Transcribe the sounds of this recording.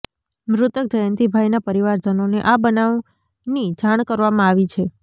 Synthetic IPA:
mɾʊt̪ək̚d͡ʒəjənt̪ibʱajnapəɾiʋaɾd͡ʒənoneʔabənaʋ | nid͡ʒaɽ̃kəɾʋamãaʋit͡ʃʰe

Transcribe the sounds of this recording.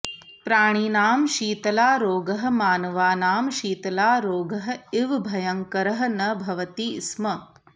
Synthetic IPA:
pɾaːɽ̃inaːmʃiːt̪ɐlaːɾoːɡɐɦɐ̆maːnɐʋaːnaːmʃiːt̪ɐlaːɾoːɡɐɦɐ̆ɪʋbʱɐjɐŋkɐɾɐɦɐ̆nɐbʱɐʋɐt̪iːsmɐ

